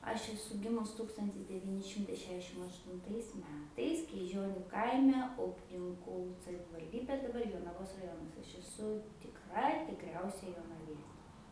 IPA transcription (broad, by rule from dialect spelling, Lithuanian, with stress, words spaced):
ɐʃ ɛˈsʊ ˈɡʲɪmʊs ˈtuːkstɐnʲtʲɪs dʲɛˈʋʲiːnʲɪ ˈʃʲɪmtɐɪ ˈʃʲæːʒʲdʲɛʃʲɪm ɐʃtʊnˈtɐɪs ˈmʲæːtɐɪs krʲiːˈʒʲoːnʲʊ ˈkɐɪmʲɛ ˈʊpʲnʲɪŋkuː sɐʋʲɪʋɐlʲˈdʲiːbʲeː dɐˈbɐr joːnɐˈʋoːs rɐˈjoːnɐs ɐʃ ɛˈsʊ tʲɪkˈrɐ tʲɪkˈrʲɛʊsʲɛ joːnɐˈʋʲiɛ